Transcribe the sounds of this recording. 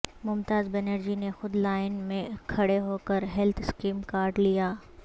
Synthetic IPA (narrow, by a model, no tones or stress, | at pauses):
mʊmt̪aːzbɛneɾd͡ʑinexʊd̪laːɪnmẽkʰɐɽeɦoːkəɾɦɛlt̪ʰɪskiːmkaːɾɖlijaː